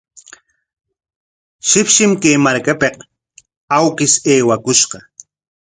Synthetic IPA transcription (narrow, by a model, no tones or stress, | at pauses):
ʃɪpʃɪmkeːmaɾkapeq | awkɪseːwakʊʃqɑ